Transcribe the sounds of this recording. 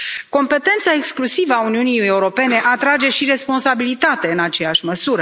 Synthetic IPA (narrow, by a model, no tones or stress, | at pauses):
ko̞mpe̞t̪e̞nt̪sae̞ksklusivəauniunije̞uɾo̞pe̞ne̞ʔat̪ɾad͡ʒe̞ʃiɾe̞spo̞nsabilit̪at̪e̞ɨnat͡ʃe̞jaʃməsuɾə